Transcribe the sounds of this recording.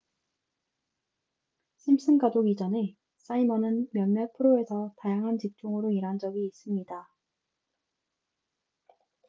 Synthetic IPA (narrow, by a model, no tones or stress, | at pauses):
ɕʰims͈ʰɯnkadoɡid͡ʑʌne̞ | s͈aimʌnɯnmjʌnmːʌɭpʰɯɾoe̞sʰʌtajaŋɦant͡ɕik̚t͡ɕ͈oŋɯɾoiɾɦand͡ʑʌɡiːs͈ɯmɲida